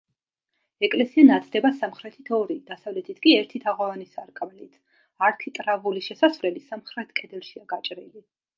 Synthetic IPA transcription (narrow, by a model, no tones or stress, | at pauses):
ɛkʼlɛsianat̪ʰd̪ɛbasamχɾɛt̪ʰit̪ʰɔɾid̪̥asavlɛt̪ʰit̪ʰkʼiɛɾt̪ʰit̪ʰaʁɔvanisaɾkʼmlit̪ʰ | aɾk̪ʰit̪ʼɾavuliʃɛsasvlɛlisamχɾɛt̪ʰkʼɛd̪ɛlˠʃiaɡat͡ʃʼɾili